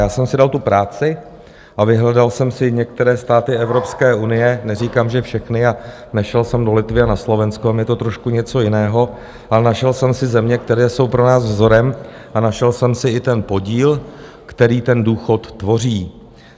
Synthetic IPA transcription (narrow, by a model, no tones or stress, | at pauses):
jaːsɛmsɪdalt̪upɾaːt͡sɪ | ʔavɪɦlɛdalsɛmsɪɲɛk̚t̪ɛɾɛːst̪aːt̪ɪʔɛvɾo̞pskɛːʔunɪjɛnɛriːkaːmʒɛfʃɛxnɪa | nɛʃɛlsɛmdo̞lɪt̪vɪanaslo̞vɛnskoamjɛt̪o̞t̪ɾo̞ʃkuɲɛt͡so̞jɪnɛːɦo̞ | ʔalɛnaʃɛlsɛmsɪzɛmɲɛk̚t̪ɛɾɛːso̞wpɾo̞naːsvzo̞ɾɛm | ʔanaʃɛlsɛmsɪɪt̪ɛnpo̞ɟiːl | kt̪ɛɾiːt̪ɛnduːxo̞t̪ːvo̞riː